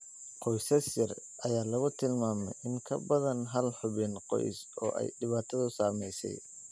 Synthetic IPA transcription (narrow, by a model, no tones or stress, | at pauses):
qɔjsɐsɪrʔɐjaːlɐɣʊt̪ʰɪlmaːmɛ̰jʔɪŋkʰɐbɐðɐnɦɐlħʊβɪnqɔ̰jsɔ̰ːʔɛ̰jɖɪβaːt̪ʰɐðʊsaːmɛjsɛ̰j